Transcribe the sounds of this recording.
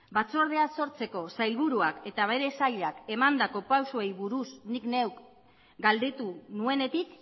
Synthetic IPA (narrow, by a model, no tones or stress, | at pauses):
bat͡so̞ɾð̞e̞aso̞ɾt͡se̞ko̞sajlβuɾuake̞t̪aβe̞ɾe̞saʎake̞mand̪ako̞pawsoe̞jβuɾusnikne̞wk | ɡald̪e̞t̪unue̞ne̞t̪ik